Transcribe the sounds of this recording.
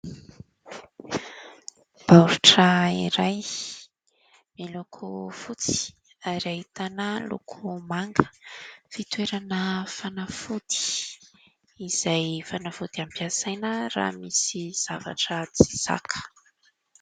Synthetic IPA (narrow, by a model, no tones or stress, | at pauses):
b̥awɾuʈ͡ʂəiɾaj | milukʰufut͡si̥ | aɾiait̪anəlṵkʰumaŋɡə̥fit̪weɾanəfanafud̪̥i̥ | iz̥ajfanafud̪iampiasajnəra̰ːmisiz̥ava̰ʈ͡ʂət͡si̥sa̰kʰə̥